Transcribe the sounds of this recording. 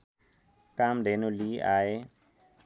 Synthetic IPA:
kamdenuliʔae

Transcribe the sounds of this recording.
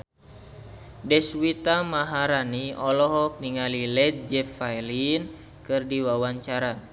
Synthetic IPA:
dɛswit̪amaɦaɾaniɔlɔɦɔk̚niŋalilɛt̪̚d͡ʒɛfajlin | kɨrdiwawaɲt͡ʃaɾa

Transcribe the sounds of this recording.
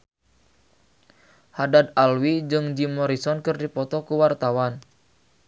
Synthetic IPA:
hadad̪alwid͡ʒɨŋd͡ʒimɔɾisɔnkɨrdipɔt̪ɔkuwart̪awan

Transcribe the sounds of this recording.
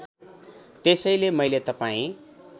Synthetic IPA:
t̪esʌjlemʌjlet̪ʌpaĩ

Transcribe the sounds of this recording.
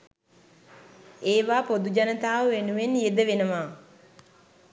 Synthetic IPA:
eːʋaːpod̪ud͡ʒanət̪aːʋəʋenuʋenjed̪əʋenəʋaː

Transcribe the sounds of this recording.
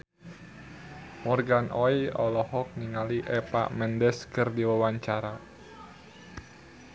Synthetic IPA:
mɔrɡanʔɔiɔlɔɦɔk̚niŋaliʔɛpa̰ʔmɛndɛskɨrdiwawaɲt͡ʃaɾa

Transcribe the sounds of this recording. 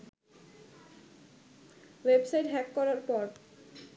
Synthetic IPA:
websajʈɦɛkːɔɾaɾpɔɾ

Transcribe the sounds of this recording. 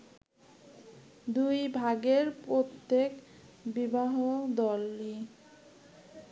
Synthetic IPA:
d̪ujbʱaɡeɾpɾot̪ːek | bibaɦod̪ɔlːi

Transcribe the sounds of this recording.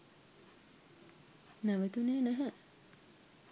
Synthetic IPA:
næʋet̪uneːnæɦæ

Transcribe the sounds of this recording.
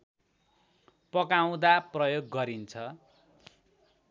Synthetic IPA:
pʌkaw̃d̪aprʌjoɡːʌɾint͡sʰʌ

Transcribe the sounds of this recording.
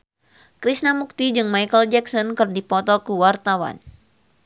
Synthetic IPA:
kɾisnamuk̚t̪id͡ʒɨŋmajkəld͡ʒɛksɔnkɨrdipɔt̪ɔkuwart̪awa̰n

